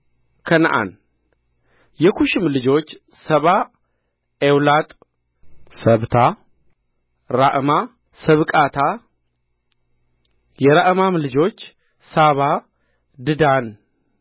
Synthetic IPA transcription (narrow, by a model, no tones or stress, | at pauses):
kʰənʔa̰n | jɛkʰuʃɪmlɨd͡ʒo̞t͡ʃː | səβa | ewlat̪ʼ | səβt̪ʰa | ɾaʔma | səβkʼat̪ʰa | jɛɾaʔɨmamlɨd͡ʒo̞t͡ʃː | saβa | d̪ɨd̪an